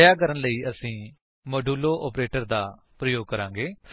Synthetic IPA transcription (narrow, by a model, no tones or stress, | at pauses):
jaːk̬əɾənləiːəsĩː | moːɖuːloːʔɔːpɾeːʈəɾd̪aː | pɾəjoːɡ̚kəɾãːŋɡeː